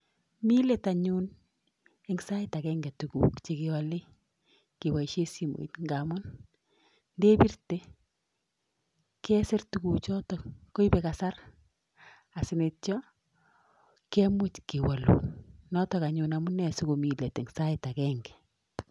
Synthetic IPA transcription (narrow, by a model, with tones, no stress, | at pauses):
mi˦le˨ta˨ɲun | ɛŋsa˦ɪ˦ta˨kɛː˦ŋɡɛ˨tu˨kṵ˨kt͡ʃe˦kewa˨le˦ | ke˨ba˨iʃe˦si˨mo̰˨ḭ˦tŋɡamʊ˦n | nde˦bi˦rte˦ | kɛ˦sɪ˦rtu˨ɡu˨t͡ʃɔ˦tɔ˨ko˦ibɛ˨ka˨sa˦ɾ | a˨sɪ˨net̚t͡ʃɔ˦ | kɛ˦mʊ˦t͡ʃki˨wa˨lṵ˨nnɔ˦tɔ˨ka˨ɲuna˨mʊ˦nɛ˨sʊ˦ko˨mi˨le˨te˨ŋsa˦ɪta˨kɛŋɡɛ̥